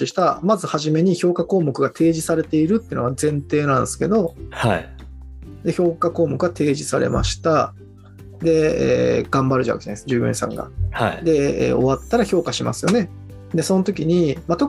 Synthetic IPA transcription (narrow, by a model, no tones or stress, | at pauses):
iɕi̥t̪amazɨhaʑime̞ɲ̟iço̞ːkako̞ːmo̞kɯ̟ɡat̪ʰe̞ːʑisaɾe̞t̪e̞iɾɯ̟t̪ːeɯnoazẽ̞nt̪e̞ːnãnd̪esɨ̥ke̞d̪o̞ha | d̪e̞ço̞ːkako̞ːmo̞kɯɡat̪e̞ːʑisaɾe̞̰ma̰ɕi̥t̪a | d̪e̞ḛːɡ̥ãmbaɾɯ̟ʑa̰ke̥̰ana̰sd͡ʑɨːɡɯ̟̰̃sã̰ŋɡa̰had̪e̞ḛːo̞̰βat̪ːaɾaço̞ːkaɕima̰sɨjo̞ne̞ | d̪e̞so̞not̪o̞kʲiɲ̟imat̪o̞k